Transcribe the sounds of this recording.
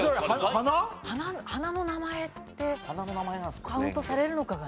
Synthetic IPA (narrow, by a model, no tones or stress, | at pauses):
oahanahanahanano̞namae̞tt̪ːe̞hananonamaenaskaɯ̟̃nt̪o̞saɾe̞ɾɯ̟no̞kaɡa